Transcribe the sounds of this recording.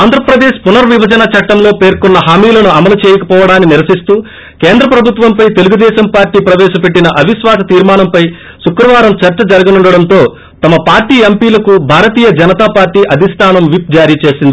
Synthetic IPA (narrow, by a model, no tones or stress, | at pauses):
aːnd̪ʱɾɐpɾɐd̪eːʃpunɐɾʋibɐd͡ʒɐnɐt͡ʃɐʈːɐmlo̞ːpe̞ːɾkunːɐɦaːmiːlɐnuɐmɐlut͡ʃeːjɐkɐpɔːʋɐɽaːnːiniɾɐsist̪uː | keːnd̪ɾɐpɾɐbʱut̪ʋɐmpɐjt̪e̞luɡud̪ɛːʃɐmpaːɾʈiːpɾɐʋɛːʃɐpe̞ʈːinɐʔɐbʱiʃʋaːsɐt̪iːɾmaːnɐmpɐj | sukɾɐʋaːɾɐmt͡ʃɐɾt͡ʃɐd͡ʒɐɾɐɡɐnuɳɖɐɽɐnt̪o̞ː | t̪ɐmɐpaːɾʈiːempiːlɐkubʱaːɾɐt̪iːjɐd͡ʒɐnɐt̪aːpaːɾʈiːʔɐd̪ʱist̪ʰaːnɐmʋip̚d͡ʒaːɾiːt͡ʃe̞ːsind̪i